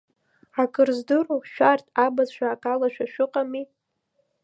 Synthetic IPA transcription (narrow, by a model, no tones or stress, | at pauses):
akʰʼɨrzdɨruʃᶣartʼabazʃʷᶣaːkʼalaʃᶣaʃᶣʊqʼami